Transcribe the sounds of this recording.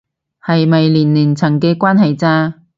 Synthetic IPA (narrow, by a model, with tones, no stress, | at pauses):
hɐ˨jmɐ˨jliː˨˩nliː˨˩nt͡sʰɐ˨˩ŋkɛː˧kwaː˥nɦɐ˨jt͡saː˧